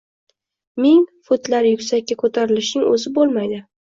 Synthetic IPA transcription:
mɪŋfot̪laɾjʊkʲsakʲːakʰot̪ʰaɾɪlɪʃnɪŋɵ̰zɪbolˠmajd̪ɪ

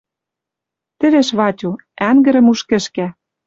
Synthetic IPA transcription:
t̪ɘ̆βeʃβɑtʲu | æŋɡɘ̆ɾɘ̆muʃkɘ̆ʃkæ

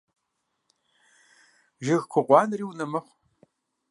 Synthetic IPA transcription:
ʒɪɣkʷʰʊqʷɑːnriːwnɐmɐχʷ

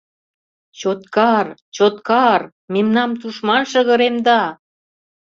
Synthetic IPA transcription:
t͡ɕot̪̚kɑrt͡ɕot̪kɑr | memnɑmt̪uʃmɑnʃə̆ɣə̆ɾemd̪ɑ

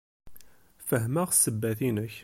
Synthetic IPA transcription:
fəɦmæʁsːəbːæθinəç

